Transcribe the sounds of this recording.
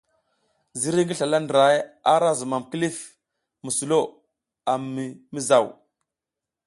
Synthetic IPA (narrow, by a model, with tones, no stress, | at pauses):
zi˦ɾi˦ŋɡi˦ɬa˨la˦ndɾa˨ja˦ɾa˦zu˨ma˨mki˦li˦f | mu˨su˨lo˦˨ | a˨mi˨mi˦za˨w